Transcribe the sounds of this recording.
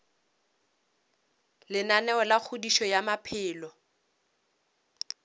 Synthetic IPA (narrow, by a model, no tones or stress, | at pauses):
lɪnanɛɔlak͡xʰʊdiʃɔjamapʰɪːlɔ